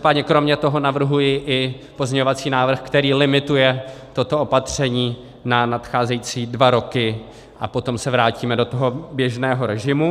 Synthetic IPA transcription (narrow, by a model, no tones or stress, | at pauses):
paːdɲɛkɾo̞mɲɛt̪o̞ɦo̞navr̩ɦujɪʔɪ | po̞zɲɛɲovat͡siːnaːvr̩xkt̪ɛɾiːlɪmɪt̪ujɛt̪ot̪o̞opat̪r̝̥ɛɲiː | nanat̪xaːzɛjit͡siːdvaɾo̞kɪ | ʔapo̞t̪o̞msɛvɾaːciːmɛdo̞t̪oɦo̞bjɛʒnɛːɦo̞ɾɛʒɪmu